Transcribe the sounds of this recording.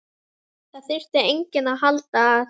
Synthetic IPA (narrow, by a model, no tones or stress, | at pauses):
θaθɪr̥t̪ɛɾejɲcɪnaɦalt̪aː